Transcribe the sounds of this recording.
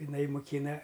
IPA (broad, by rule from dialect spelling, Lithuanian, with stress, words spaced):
ɪˈnɐɪ mʊˈkʲiːnɐ